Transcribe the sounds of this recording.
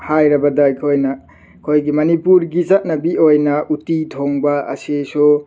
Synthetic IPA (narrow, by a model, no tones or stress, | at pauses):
hajɾɐbɐdɐjkʰojnɐ | kʰojɡimɐnipuɾɡizɐt̚nɐbiojnɐutitʰoŋbɐɐ̰sesu